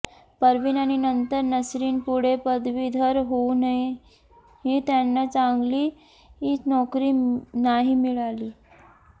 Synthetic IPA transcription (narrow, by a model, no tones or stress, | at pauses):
pəɾʋiːnañinənt̪əɾnəsɾiːnpuɽ̤epəd̪ʋiːd̪ʱəɾɦonai | ɦiːt̪janːat͡saŋɡliː | ɦinɔkɾiːnaɦimiɭaliː